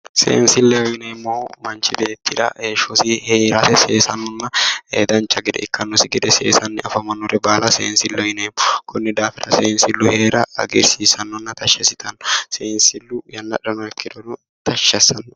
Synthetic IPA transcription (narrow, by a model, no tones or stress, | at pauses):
sḛːnsɪlːɛɔjɪnɛmːowmɐnt͡ʃːɪbe̞ːt̪ːɪd̪ɐ̰heːʃɔsɪheːɾɐsɛseːsɐnːɔnːɐhḛːd̪ɐnt͡ʃːɐɡɪd̪ɛ̰ʔɪkʰːɐnːɔsɪɡɪd̪ɛsḛːsɐnːɛʔɐfɐmɐnːɔɾɛbaːlɐsḛːnsɪlːɛɔɪnɛmːɔkʰʊnːɛd̪aːfɪɾɐseːnsɪlːʊhe̞ːɾɐɐ̰ɡɛɾsiːsɐnːɔnːɐt̪ɐʃːɛsɪt̪ɐnːɔseːnsɪlːʊjɐnːɐ̰ᶑɐnɔɛkʰːɪd̪ɔnʊ | t̪ɐʃːɐsɐnːɔ